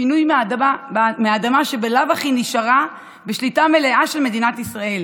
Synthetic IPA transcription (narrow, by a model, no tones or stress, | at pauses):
inujmadameadamaʃebelavaχiniʃaʁa | beʃlitame̞le̞ʔaʃe̞lme̞dinatisʁae̞l